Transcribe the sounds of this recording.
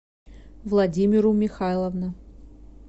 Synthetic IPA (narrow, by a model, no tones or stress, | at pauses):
vlˠɐdʲimʲɪɾʊmʲɪxalˠəvnʊ